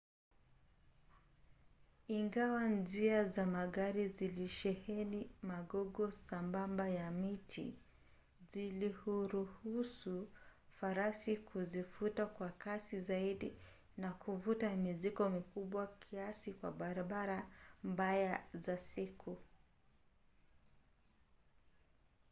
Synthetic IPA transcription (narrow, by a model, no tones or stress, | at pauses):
iŋɡawand͡ʒiazamaɠaɾiziliʃɛhɛnimaɠɔɡɔsambambajamitʰḭ | zilihuɾuhusufaɾasikʰuzifutakwakasizaiɗi | nakʰuvutamizikɔmikuɓwakʰiasikwa̰ɓaɾaɓaɾambajazasikʰu